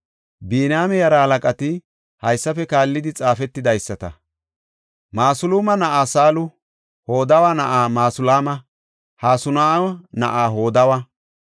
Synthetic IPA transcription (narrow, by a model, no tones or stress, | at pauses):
biːnaːmɛjɐɾɐhɐlɐkʼɐt̪ɪ | hɐjsːɐfɛkaːlːɪd̪ɪt͡sʼaːfɛt̪ːɪd̪ɐjsːɐt̪ɐ̰ | maːsʊluːmɐnɐʔaːsaːlʊ | ho̞ːd̪ɐwanɐʔaːmaːsʊlaːmɐ | haːsʊnaːnɐʔaːɦo̞ːd̪ɐwɐ